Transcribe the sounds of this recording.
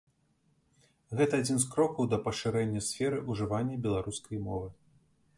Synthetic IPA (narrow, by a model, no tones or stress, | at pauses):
ɣɛt̪ɐad͡zʲinskɾɔkɐwd̪ɐpɐʂɨɾɛnʲːɐsʲfʲɛɾɨʔuʐɨvanʲːɐbʲɛlˠaɾuskɐjmɔ̰vɨ